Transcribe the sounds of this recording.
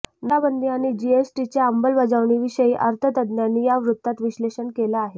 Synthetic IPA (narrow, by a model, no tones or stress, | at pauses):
nabənd̪ʱiaɽ̃id͡ʑiesʈit͡ɕaəmbəlbəd͡zaʋɳiːʋiɕəiːʔəɾt̪ʰət̪əd̪njanːiːjaʋɾut̪ːat̪ʋiɕleɕəɳkelaːɦe